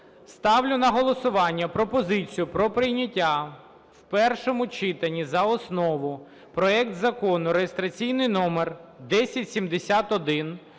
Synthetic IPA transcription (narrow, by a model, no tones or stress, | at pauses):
st̪ɑwlʲʊnɐɦɔlˠɔsʊʋɑnʲːɐpɾɔpɔzɪt͡sʲijʊpɾɔpɾɪjnʲɐtʲːa | wpɛrʃɔmʊt͡ʃɪt̪ɐnʲːizɐɔsnɔʋʊ | pɾɔɛkt̪zɐkɔnʊɾejest̪ɾɐt͡sʲijnɪjnɔmerd̪ɛsʲɐtʲsʲimd̪esʲat̪ɔd̪ɪn